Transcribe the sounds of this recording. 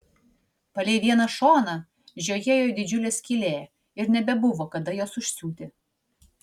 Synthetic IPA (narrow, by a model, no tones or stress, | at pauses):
pɐlʲeːʋʲiɛnɐʃoːnɐ | ʒʲoːjejoːd̪ʲɪd͡ʒʲʊlʲeːsʲkʲilʲeː | ɪɾnʲɛbʲɛbʊʋoːkɐd̪ɐjoːsʊʃʲsʲuːt̪ʲɪ